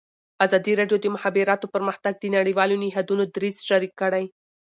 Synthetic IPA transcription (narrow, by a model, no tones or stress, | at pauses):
azɑd̪iɾɑɖjod̪əmʊhɑbiɾɑt̪opəɾməxt̪aɡ̚d̪ənaɽiwɑloniɦad̪unod̪ɾizʃaɾikːəɽaj